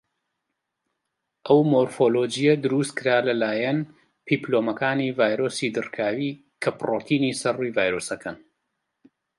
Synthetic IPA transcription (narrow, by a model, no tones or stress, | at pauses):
ʔɐwmoɾfoːloːd͡ʒijɐd̪ɨɾust̪̚kɨɾaːlɐlaːjɐn | pʰiplomɐkaːniːvaːjɾoːsid̪ɨrkʰaːwiː | kʰɐproːt̪ʰiːniːsɐrujvaːjɾoːsɐkʰɐn